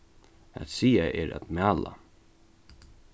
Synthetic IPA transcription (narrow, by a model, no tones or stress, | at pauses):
æ̰t̪siːaʔɛɾa̰t̪mæːla̰